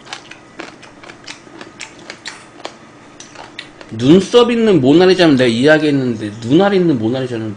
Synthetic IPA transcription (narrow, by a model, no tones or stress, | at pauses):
nuns͈ʌbinːɯnmonaɾid͡ʑanɯnːe̞ɡaiaɡienːɯnde̞nunaɾeinːɯnmonaɾid͡ʑanɯn